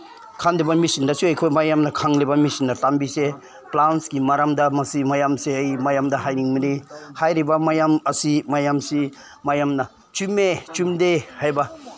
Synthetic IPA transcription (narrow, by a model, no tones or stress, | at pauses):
kʰandibɐmisindɐsuɐjkʰojmajamnɐkʰaŋlibɐmisinːɐtambise | planskimaɾamdɐmɐsimajamsiɐjmajamdɐhajniŋminihajɾibɐmajamɐsimajamsi | majamnɐ | t͡ʃumet͡ʃumdehajbɐ